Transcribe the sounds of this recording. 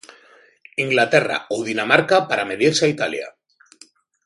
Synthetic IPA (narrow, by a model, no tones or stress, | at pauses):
iŋɡlat̪e̞ra̰oðinamaɾkapaɾame̞ðiɾseait̪alja̰